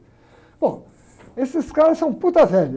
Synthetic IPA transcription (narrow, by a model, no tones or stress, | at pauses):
b̥õ | esɪskalsɐ̃w̃put̪ɐfɛl